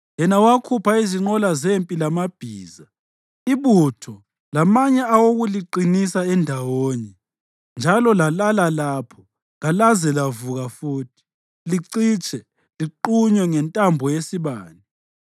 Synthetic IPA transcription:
jɛnawakʰupʰaiziŋ͡ǃɔlazempʼilamab̥ʱiːza | iβutʰɔ | lamaɲɛawoɣuliǃinisaɛndʱawoːɲɛ | nd͡ʒʱalɔlalalalaːpʰɔ | ŋalazɛlavuɣafuːtʰi̥ | liǀit͡ʃʼɛ | liǃuɲwɛŋɛntʼambʱɔjesiβaːni

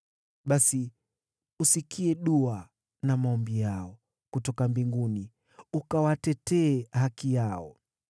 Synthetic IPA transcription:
ɓasi | usikʰiɛɗua | namaɔmbijaɔ | kutɔkambiŋɡuni | ukawatɛtɛːhakijaɔ̰

